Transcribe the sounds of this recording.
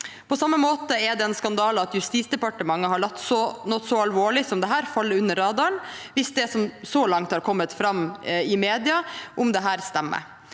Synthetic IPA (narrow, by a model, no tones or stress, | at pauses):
pʰɔsɑmːəmoːt̪əɛɖ̪ɛɛnskɑnd̪ɑːlɑt̪jʉst̪iːsd̪ɛpɑʈəmɑŋːəɦɑɭɑt̪ːsɔnɔt̪sɔɑlʋoːɭɪsɔmd̪ɛɦæːɾfɑlːəʉnːəɾːɑːd̪ɑɾəɳʋɪsd̪ɛsɔmsɔlɑŋt̪hɑɾkʰɔmːət̪fɾɑmːɪmeːd̪ɪɑʔʊmd̪ɛɦæːɾst̪æmːə̰